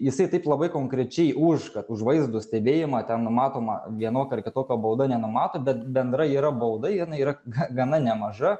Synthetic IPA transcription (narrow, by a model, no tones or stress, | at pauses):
jɪsɐɪt̪ɐɪplˠɐbɐɪkoːŋkɾʲɛt͡ʃʲɛɪʊʃkɐt̪ʊʒʋɐɪzd̪usʲt̪ʲɛbʲeːjɪmɐːt̪ʲɛnnʊmɑːt̪oːmɐ̰ʋʲiɛnoːkʲɐrkʲɪt̪oːkʲobɐʊd̪ɐnʲɛnʊmɑːt̪oːbʲɛt̪bʲɛnd̪ɾɐiːɾɐbɐʊd̪ɐɪjɪnɐɪiːɾɐɡɐɡɐnɐnʲɛmɐʒɐ